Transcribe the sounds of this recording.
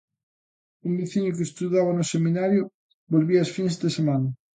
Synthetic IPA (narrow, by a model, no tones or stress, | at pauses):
umbiθiɲʊk̬est̪uðaβanʊseminaɾjo | bolβiasfinsd̪esemanɐ